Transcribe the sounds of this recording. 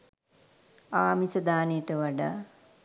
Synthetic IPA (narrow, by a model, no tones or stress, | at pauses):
aːmisəd̪aːnejəʈəʋaɖaː